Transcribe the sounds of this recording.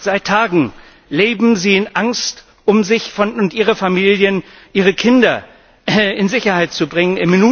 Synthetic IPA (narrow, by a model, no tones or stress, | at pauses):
z̥aɪtʰːaːɡŋ̩ | leːbm̩ziːɪnʔaŋst | ʔʊmzɪçfɔnʊntʔiːʁəfamiːljən | ʔiːʁ̞əkʰɪndɐ | ɪnzɪçɐhaɪt̚t͡subʁɪŋənɪmːɪnuː